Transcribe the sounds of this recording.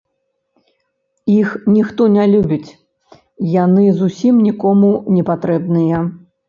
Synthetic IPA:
ixnʲixt̪ɔnʲɛlʲubʲit͡sʲ | janɨzusʲimnʲikɔmunʲɛpat̪ɾɛbnɨjɐ

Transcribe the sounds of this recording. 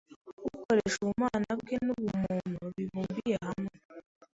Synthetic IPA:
ɡuko̞ɾeʃuumaːnabɡenuβumonoβiβuːmbijahame

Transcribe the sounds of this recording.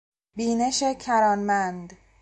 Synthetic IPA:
biːne̞ʃecʰæɾɒːnmænd̪

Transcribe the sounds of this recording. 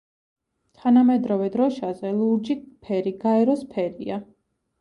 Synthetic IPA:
t̪ʰanamɛd̪ɾɔvɛd̪ɾɔʃazɛluɾd͡ʒipʰɛɾiɡaɛɾɔspʰɛɾḭa

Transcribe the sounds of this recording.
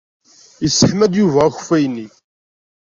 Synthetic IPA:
jəsːəħmæd̪juvææç̥fæjnːi

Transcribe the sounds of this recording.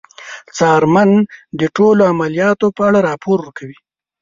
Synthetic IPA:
t͡sɑɾmand̪əʈoloamalijɑt̪opəaɽaɾɑpoɾwəɾkawi

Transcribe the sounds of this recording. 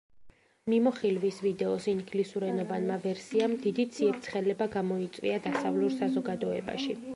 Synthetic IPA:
mimɔχilvisvid̪ɛɔsiŋɡlisuɾɛnɔvanmavɛɾsiamd̪id̪it̪sʰiɛt̪̚t̪sʰχɛlɛbaɡamɔit̪sʼvwḭad̪asavluɾsazɔɡad̪ɔɛba̰ʃi

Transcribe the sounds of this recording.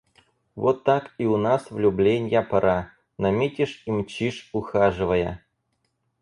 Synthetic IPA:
vot̪ːakiʊnasvlʲublʲenʲjapɐɾʔa | nɐmʲetʲɪʂimt͡ɕiʂʊxaʐɨvəjə̰

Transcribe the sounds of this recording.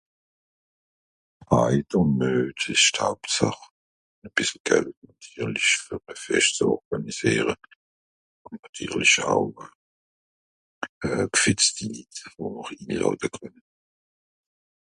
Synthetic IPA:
aɪdənnøːtʰɪʃtʰaʊpt͡sa̰χ | nɛb̥ɪsl̩ɡ̥ɛltnatʰyːʁlɪçfyʁmɛfɛʃt͡sɔʁɡ̥aniz̥iːʁə | ʊntnatʰy̰ːʁlɪça̰ʊ | ɛːkfɪt͡stilitəvonəʁiːlɔ̰ːdəkʰœnə

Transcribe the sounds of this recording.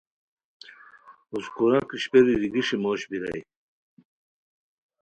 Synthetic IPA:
uskuɾakiɕpeɾid̪iɡiʂimoːɕbiɾa̰j

